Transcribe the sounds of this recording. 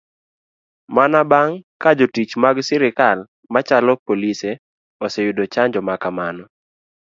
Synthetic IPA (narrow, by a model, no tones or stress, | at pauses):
manabaŋkad͡ʒotit͡ʃmaɡsɪɾɪkal | mat͡ʃalɔpolise | ɔsɛjudot͡ʃaɲd͡ʒɔmakamanɔ